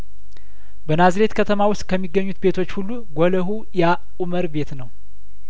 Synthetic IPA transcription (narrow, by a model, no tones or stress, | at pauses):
bənazɾe̞t̪kʰət̪ʰəmawʊst̪̚kʰəmːiɡːəɲːut̪be̞t̪ʰo̞t͡ʃːhulːuɡʷoləɦu | ja | uməɾbe̞t̪nəw